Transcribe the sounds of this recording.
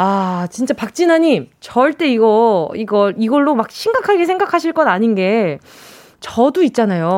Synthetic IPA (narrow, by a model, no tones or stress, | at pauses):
at͡ɕint͡ɕ͈apak̚t͡ɕ͈inaɲimt͡ɕʌɭt͈e̞iɡʌiɡʌɭiɡʌɭːomak̚ɕʰiŋɡakʰaɡe̞sʰeŋɡakʰaɕʰiɭk͈ʌnaɲinɡe̞ | t͡ɕʌdoit̚t͡ɕ͈anajo